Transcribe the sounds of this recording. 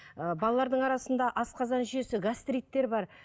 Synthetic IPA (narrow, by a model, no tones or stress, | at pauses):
əbɑlˠɑlˠɑɾd̪əɴɑɾɑsənd̪ɑʔɑsqʰɑzɑnʒʏje̞sɪɡast̪ɾʲijt̪ːe̞ɾbɑɾ